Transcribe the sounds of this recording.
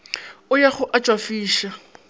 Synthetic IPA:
ʊjaχʊʔat͡ʃʼwafiːʃa

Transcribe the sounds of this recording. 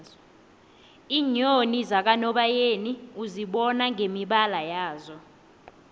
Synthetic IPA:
iːɲonizak̬anɔɓajeːniuziɓɔnaŋʱemiɓalajaːzɔ

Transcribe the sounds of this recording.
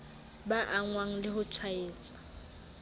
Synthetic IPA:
baʔaŋwaŋ̩lɪɦʊt͡ʃʰwaeːt͡sʼḁ

